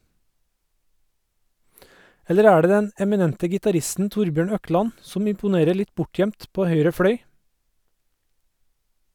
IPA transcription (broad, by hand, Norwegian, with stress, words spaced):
ˈɛləɾ ˈæː ˈɖeː ˈdɛn ɛmɪˈnɛntə ɡɪtɑˈɾɪstn̩ ˈtʊɾbjøːɳ ˈœˌklɑn ˈsɔm ɪmpʊˈneːɾə ˈɭɪt ˈbʊˌʈjœmt ˈpoː ˈhœʏɾə ˈfɽœʏ